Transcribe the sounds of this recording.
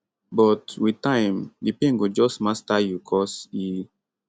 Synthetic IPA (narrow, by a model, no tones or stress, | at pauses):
bɔtwitãɪ̃mdipĩŋɡud͡ʒɔsmastajukʰɔsi